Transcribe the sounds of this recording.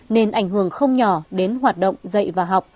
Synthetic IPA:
ne˧nʔa˧˩jŋ̟hɦɨ˧˩əŋxə˧wŋ͡mɲɔ˧˩ɗe˨˦nɦwaː˨˩t̚ɗə̰˧˨wŋ͡mzə̰˧˨jvaː˨˩ɦa˨˩wk͡p̚

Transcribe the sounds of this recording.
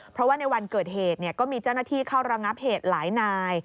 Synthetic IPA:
pʰɾɔ˦˥waː˥˩na˧jwa˧nkɤː˨˩t̪̚heː˨˩t̪̚ni˥˩ɐkɔː˥˩miː˧t͡ɕa˥˩wnaː˥˩t̪ʰiː˥˩kʰaː˥˩wɾa˧ŋa˦˥p̚heː˨˩t̪̚laː˩˦jnaː˧j

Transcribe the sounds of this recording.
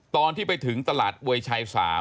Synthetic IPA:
t̪ɔː˧nt̪ʰiː˥˩pa˧jt̪ʰɯ˩˦ŋt̪a˧laː˨˩t̪̚wu˧əjt͡ɕʰa˧jsa̰ː˩˦

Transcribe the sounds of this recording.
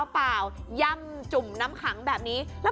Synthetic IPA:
wpaː˨˩wja˧m | t͡ɕu˨˩mna˦˥mkʰa˩˦ŋbɛː˨˩p̚niː˦˥lɛ˦˥

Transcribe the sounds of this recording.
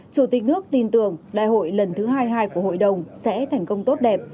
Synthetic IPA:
t͡ɕu˧˩t̪ï˨˩k̟̚nɨ˦˥ək̚t̪i˧nt̪ɨ˨˩əŋɗa̰ː˧˨jɦo̰˧˨jlə˨˩nt̪ʰɨ˨˦ɦaː˧jɦaː˧jku˧˩əho̰˧˨jɗə˨˩wŋ͡msɛ̰˧˥t̪ʰa˨˩jŋ̟kə˧wŋ͡mt̪o˦˥t̚ɗɛ˨˩p̚

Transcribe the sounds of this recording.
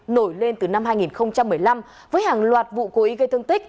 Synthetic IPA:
no˧˩jle˧nt̪ɨ˨˩na˧mhaː˧jŋi˨˩nxə˧wŋ͡mt͡ɕa˧mːɨ˨˩əjla˧m | vəː˨˦jhaː˨˩ŋlwaː˨˩t̚vṵ˧˨ko˨˦ʔi˨˦ɣə˧jt̪ʰɨ˧əŋt̪ï˦˥k̟̚

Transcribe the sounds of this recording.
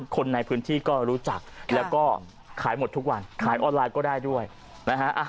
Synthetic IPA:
kʰo˧nːa˧jpʰɯː˦˥nt̪ʰiː˥˩kɔː˥˩ɾuː˦˥t͡ɕa˨˩k̚lɛː˦˥wkɔː˥˩ | kʰaː˩˦jmo˨˩t̪ʰːu˦˥k̚wa˧nkʰaː˩˦jʔɔː˧nlaː˧jkɔː˥˩daː˥˩jdu˥˩əj | na˦˥kʰa˦˥ʔa˧˩

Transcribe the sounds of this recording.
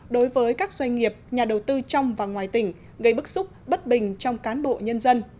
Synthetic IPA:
ɗo˨˦jvəː˨˦jkaː˦˥k̚zwa˧jŋ̟ŋi˨˩əp̚ɲaː˨˩ɗə˨˩wt̪ɨ˧t͡ɕɔ˧wŋ͡mvaː˨˩ŋwaː˨˩jt̪ï˧˩ŋ̟ | ɣə˧jɓɨ˦˥k̚sʊ˦˥k͡p̚ɓə˦˥t̚ɓï˨˩ŋ̟t͡ɕɔ˧wŋ͡mkaː˨˦nɓo̰˧˨ɲə˧nzə˧n

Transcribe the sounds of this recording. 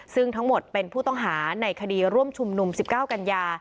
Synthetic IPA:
sɯ˥˩ŋt̪ʰa˦˥ŋmo˨˩t̪̚pe˧npʰuː˥˩t̪ɔ˥˩ŋɦaː˩˦na˧jkʰa˧diː˧ɾu˥˩əmt͡ɕʰu˧mnu˧msi˨˩p̚kaː˥˩wka˧njaː˧

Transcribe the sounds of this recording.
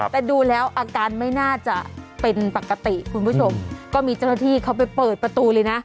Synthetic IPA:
t̪ɛː˨˩duː˧lɛː˦˥wʔaː˧kaː˧nma˥˩jnaː˥˩t͡ɕa˨˩pe˧npa˨˩ka˧t̪i˨˩kʰu˧npʰuː˥˩t͡ɕʰo˧mkɔː˥˩miː˧t͡ɕa˥˩wna˥˩t̪ʰiː˥˩kʰa˦˥wp̬a˧jpɤː˨˩t̪̚pɾa˧t̪uː˧lɤː˧jna˦˥ʔ

